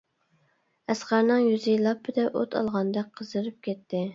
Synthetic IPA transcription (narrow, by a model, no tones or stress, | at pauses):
æsqæɾnɨŋjyzilˠɑpʰːɪd̪ɛʔot̪ʰɑ̰lˠʁɑnd̪ɛk̚ʲqʰəzɨɾɨp̚kʲʰɛt̪ʰːɪ